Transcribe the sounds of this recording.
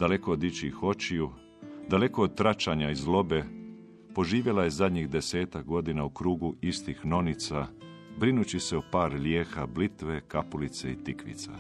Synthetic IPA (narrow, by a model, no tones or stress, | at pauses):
d̪ale̞ko̞od̪it͡ɕixo̞t͡ʃiju | d̪ale̞ko̞od̪̚t̪ɾat͡ʃaɲaizlo̞be̞ | po̞ʒiːʋje̞laje̞zad̪ɲixd̪e̞se̞ːt̪ak̚ɡo̞d̪inaukɾuːɡuist̪ixno̞nit̪sa | bɾinut͡ɕise̞opaːɾljeːxablit̪ʋekapulit̪seit̪ikʋḭt̪sa̰